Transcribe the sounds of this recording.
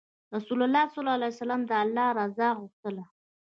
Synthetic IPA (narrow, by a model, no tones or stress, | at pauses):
ɾasulalːɑsɔlɑalajsalɑmd̪əalːɑɾɑzɑɣuxt̪əla